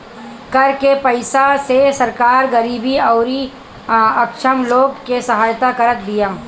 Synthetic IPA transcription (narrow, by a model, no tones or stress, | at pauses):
kɐɾkepəɪsasesɐɾkaːɾɡɐɾiːbiɐːɾi | ɐkʃəmloːɡkesɐɦaːjt̪akɐɾət̪̚d̪ɪjaː